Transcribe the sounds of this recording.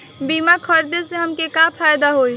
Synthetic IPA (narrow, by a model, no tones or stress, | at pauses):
bimakʰəɾd̪eseɦəmkekapʰajd̪aɦoj